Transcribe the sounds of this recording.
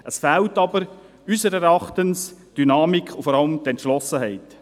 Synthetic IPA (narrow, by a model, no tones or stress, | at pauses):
ʔəsfɛltɑbəɾ | ysəɾɛɾɑχtənsd̥ynɑːmikχʊfɔɾɑləmtɛntʃlɔsəɦɛɪt